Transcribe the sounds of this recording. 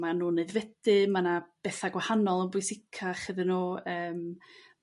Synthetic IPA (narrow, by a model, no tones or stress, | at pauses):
manuːneɨðvɛd̥ɨmanab̥ɛθaɡwahanɔlˠənbʊjsɪkʰaχɨðɨnuːəːm